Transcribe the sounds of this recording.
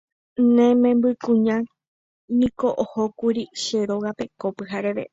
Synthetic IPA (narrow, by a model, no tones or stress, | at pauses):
nẽmẽmbɨkũɲã | nĩko̞ʔohokuɾiʃe̞ɾoɣape̞kopɨɦaɾeʋe̞̰